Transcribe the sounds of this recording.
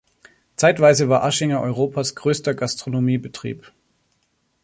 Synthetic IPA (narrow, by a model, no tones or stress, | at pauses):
t͡saɪtv̥aɪzəvaːɐʔaʃɪŋɐʔɔʏʁoːpʰasɡ̥ʁøːstɐɡastʁ̥onomiːbətʁ̥ḭːp